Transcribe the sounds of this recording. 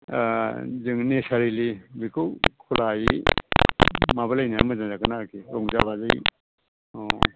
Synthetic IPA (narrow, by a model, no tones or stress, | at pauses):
zɯŋnesaɾilibikʰɯwkʰulaji | mabɯlajna̰mɯzaŋzakɯnakiɾɔŋzabazɯj | ɔ